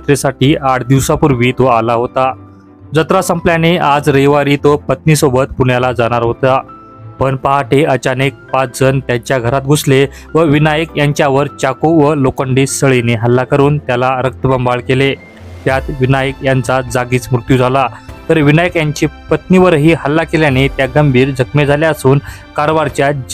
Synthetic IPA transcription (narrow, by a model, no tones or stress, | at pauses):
t̪ɾesaʈiːʔaʈʰd̪iʋsapuɾʋiːt̪oalaɦot̪a | d͡zət̪ɾasəmpljanead͡zɾejʋaɾiːt̪opət̪niːsobət̪puɳjalad͡zaɽ̃aɾɦot̪a | pəɳpaɦaʈʰeət͡ɕanek̚pat͡sd͡zənt̪jaɲt͡ɕjaɡʱəɾat̪̚ɡʱosle | ʋəʋinajəkjaɲt͡ɕjaʋəɾt͡ɕakoʋəlokəɳɖiːsəɭineɦəlːakəɾuːnt̪jalaɾək̚t̪əbəmbaɭkele | t̪jat̪ʋinajəkjant͡sad͡zaɡiːt͡smɾut̪juːd͡zʱalat̪əɾʋinajəkjaɲt͡ɕiːpət̪niʋəɾɦiːɦəlːakeljanet̪jaɡəmbʱiːɾd͡zʱəkmed͡zʱaljaəsuːn | kaɾʋaɾt͡ɕja